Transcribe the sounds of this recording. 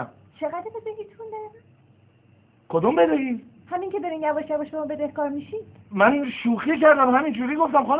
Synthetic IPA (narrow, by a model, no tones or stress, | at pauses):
m | t͡ʃʰeɣæd̪ɾbed̪eɦiːt̪ʰund̪ɒɾemæn | kʰod̪umbed̪ehiːd̪ | hæmiŋcʰebeɾinjæbɒʃjævɔʃbemɔːbed̪ehkʰɒːɾmiʃi̥mænʃuːxicæɾd̪æmhæmind͡ʒuːɾiːɡoft̪æmxɑn